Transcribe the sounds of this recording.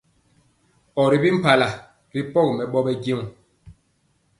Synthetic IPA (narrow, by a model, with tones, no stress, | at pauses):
ɔ˨ɾi˨bi˦m̩˦pa˨la˨ | ɾi˦pɔ˦˨kmɛ˨ɓɔ˦ɓɛ˦ɡe˦˨ŋ˨